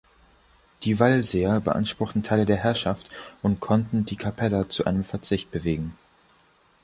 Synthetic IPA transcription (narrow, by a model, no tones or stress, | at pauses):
d̥iːvalzeːɐbəʔa̰nʃpʁ̥ʊχtn̩tʰaɪlədeːɐɦɛɐʃaftʔʊntkʰɔntn̩diːkʰapʰɛlɐt͡suʔa̰ɪnəmfɛɐt͡sɪçt̚b̥əveːɡŋ̩